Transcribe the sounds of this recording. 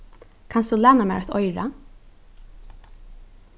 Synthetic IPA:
kʰansd̪ulæːnamɛ̰ːɾat̪ɔjɹa̰

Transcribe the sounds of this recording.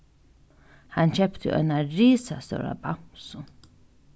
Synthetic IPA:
hant͡ʃʰɛpt̪ʰɪ̰ʔœ̰naɾiːsasɔ̰ɾa̰bamsʊ

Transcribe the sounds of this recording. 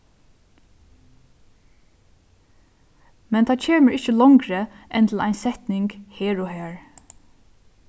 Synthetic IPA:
mɛnt̪ʰɑːcʰeːməɹɪçəlɔŋkɾəʔɛnt̪ʰl̩ʔæ̰ɪnsɛht̪nɪŋkheːɹɔɦæːɹ

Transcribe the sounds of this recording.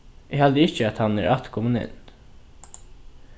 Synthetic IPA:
ʔehɑld̪əɪçəɑt̪hɑnæ̰ːɾʔɑt̪kʰɔmənɛ̰n

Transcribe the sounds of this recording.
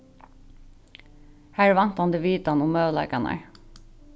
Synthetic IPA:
hæːɹʋɑnt̪ɑnd̪eʋiːt̪ɑnʊmɑːʋlɑ̰ɪkɑnʔæ̰ɹ

